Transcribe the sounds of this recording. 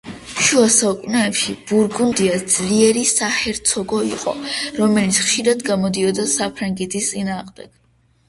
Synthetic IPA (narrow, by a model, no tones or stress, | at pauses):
ʃuasaukʼunɛɛpʃib̥uɾɡund̪iad̪z̥liɛɾisahɛɾt̪sʰɔɡɔiqʼɔ̰ɾɔmɛlit̪sχʃiɾad̪ɡamɔd̪iɔd̪asapʰɾaŋɡɛt̪ʰist̪sʼinaːʁmd̪ɛɡ̥